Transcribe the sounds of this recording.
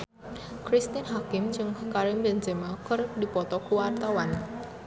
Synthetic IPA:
kɾist̪inɦakɪmd͡ʒɨŋkaɾɪmbɛnd͡ʒəmakərk̚dipɔt̪ɔkuwart̪awan

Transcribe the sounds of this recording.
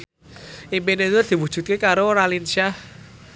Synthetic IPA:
imbenet̪uad̪̥i̤wud̥ʒ̥ṳt̪̚kekaɾoɾalinʃah

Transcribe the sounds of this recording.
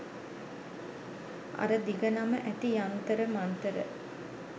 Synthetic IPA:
a̰ɾəd̪iɡənaməʔæt̪ijant̪əɾəmant̪əɾə

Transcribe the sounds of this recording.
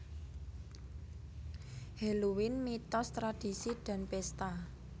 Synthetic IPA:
heluwɪnmit̪ɔst̪ɾad̥i̤sid̪̥a̤npest̪a

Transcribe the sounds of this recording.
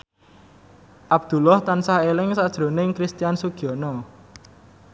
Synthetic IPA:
ʔab̥̚d̪̥ṳlɔht̪ansaɦelɪŋsad̥ʒ̥ɾo̤nɪŋkɾist̪ijansuɡ̥iɔnɔ

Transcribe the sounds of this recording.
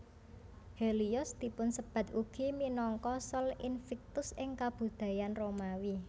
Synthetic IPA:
heliʊsd̪̥i̤pʊnsəb̥a̤t̪uɡ̥i̤minɔŋkɔsɔlɪnfɛk̚t̪ʊsɪŋkab̥ṳd̪̥a̤janromawi

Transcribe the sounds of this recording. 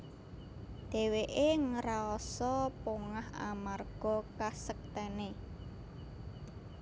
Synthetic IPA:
d̪̥e̤weʔeŋəɾaɔsɔpoŋaha̰marɡ̥ɔ̤kasək̚t̪ɛne

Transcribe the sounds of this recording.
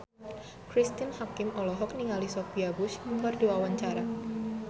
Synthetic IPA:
kɾist̪inhakɪmɔlɔɦɔk̚niŋalisopiabʊsbərduawaɲt͡ʃaɾa

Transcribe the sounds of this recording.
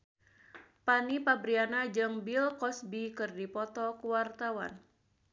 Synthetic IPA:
panipabɾianad͡ʒɨŋbilkɔsbikɨrdipɔt̪ɔkuwart̪awa̰n

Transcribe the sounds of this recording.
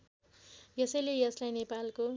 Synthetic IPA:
jʌsʌjlejʌslajnepalko

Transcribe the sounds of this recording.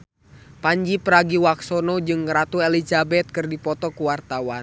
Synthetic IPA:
paɲd͡ʒipəɾaɡiwaksɔnɔd͡ʒɨŋɾat̪uɛlizabɛt̪̚kɨrdipɔt̪ɔkuwart̪awan

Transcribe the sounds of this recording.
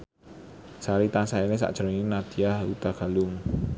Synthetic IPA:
saɾit̪asaenes̬a̰ʔd̥ʒ̥ə̤ɾŋinat̪iahut̪aɡ̥a̤lʊŋ

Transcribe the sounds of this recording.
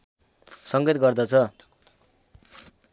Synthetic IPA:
sʌŋɡet̪ɡʌrd̪ʌt͡sʰʌ

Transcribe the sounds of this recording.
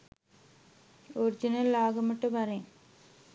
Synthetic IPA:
oɾɪd͡ʒɪnɐlaːɣɐmɐʈːɯʋɐɾẽ

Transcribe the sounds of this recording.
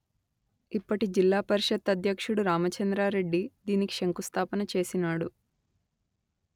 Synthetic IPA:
ipːɐʈid͡ʒilːaːpɐɾiʃɐt̪ːɐd̪ʱjɐkʂuɽuɾaːmɐt͡ʃɐnd̪ɾaːɾe̞ɖːid̪iːnikiʂeŋkust̪ʰaːpɐnɐt͡ʃe̞ːsinaːɽu

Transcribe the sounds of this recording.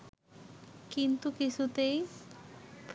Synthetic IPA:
kint̪ukisʰut̪ej | p

